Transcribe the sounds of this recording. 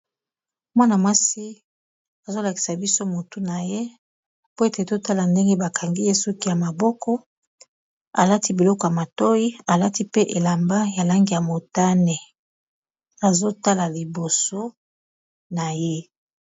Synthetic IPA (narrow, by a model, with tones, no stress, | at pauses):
mwa˦na˨mwa˦si˦ | a˨zo˦la˨ki̥˨sa˨bi˦so˦mo˨tu˦na˨je˦ | po˦e˦te˨to˦ta˦la˨nde˦ŋɡe˦ba˨kʰa˨ŋɡi˦je˦su˦ki˦ja˨ma˨bɔ˦kɔ˦ | a˨la˦ti˦bi˨lɔ˦kɔ˨ja˨ma˨to˦ji˦a˨la˦ti˦pe˦ʔe˨la˨mba˦ja˨la˦ŋɡi˦˨ja˨mo˨ta˦ne˨ | a˨zo˦ta˦la˨li˨bo˨so˦ | na˨je˦